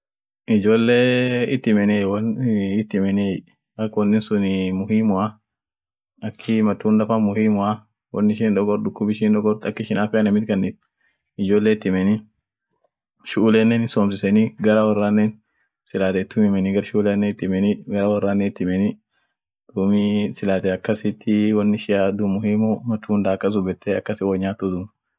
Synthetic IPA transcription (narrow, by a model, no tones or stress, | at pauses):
ɪd͡ʒoːlːeːɪt̪ːɪmɛnewɐnɪt̪ːɪmɛnɛ | ɐkːwɔnːɪnsʊnɪmʊhiːmʊa | ɐkʰːɪmɐt̪ːuːnd̪ɐfamʊhiːmʊa | wɔnːɪʃiːnᶑ̪ɔkɔɾd̪ʊkːʊbɪʃinᶑ̪ɔkɔɾt̪ɐkːɪʃɪnaːfɪɐnɐmɪt̪kɐnːɪt̪̚ | ɪd͡ʒoːlːeɪt̪ːɪmɛni | ʃʊʔːlenːeːnɪsoːms̬ɪsɛniɡɐɾɐwɐrːaːnːeːn | sɪlaːt̪et̪ːʊmɪmɛnɪɡɐɾʃʊːlɛnːet̪ːɪmɛniɡɐɾɐwɐrːaːnːet̪ːɪmɛni | d̪̥uːmisɪlaːt̪eɐkːɐsɪt̪ʰːɪwɐnːɪʃɪjaːd̪ʊmʊhiːmʊmɐt̪ːuːnd̪aːɐkːɐs̬ʊbɛt̪ːeɐkːɐsɪwoɲːaːt̪ːʊd̪ʊm